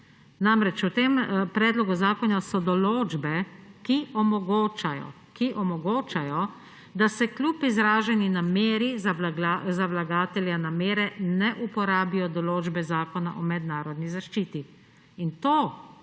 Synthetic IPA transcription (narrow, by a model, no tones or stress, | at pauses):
namɾɛt͡ʃut̪empɾɛːd̪lɔɡuzaːkɔnasɔd̪ɔloːd͡ʒbɛkiɔmɔɡoːt͡ʃajɔ̰ | kiʔɔmɔɡoːt͡ʃajɔ | d̪asɛklʲjupizɾaːʒɛninameːɾizalaazawlaɡaːt̪ɛljanameːɾɛnɛʔupɔɾaːbijɔd̪ɔloːd͡ʒbɛzaːkɔna̰ʔɔmɛd̪naːɾɔd̪nizaʃt͡ʃiːt̪i | int̪oː